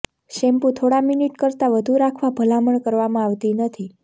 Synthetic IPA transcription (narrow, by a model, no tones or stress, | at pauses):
ʃɛmpũt̪ʰoɽaminiʈkəɾt̪aʋəd̪ʱuɾakʰʋabʱəlaməɳkəɾʋamãaʋt̪inət̪ʰi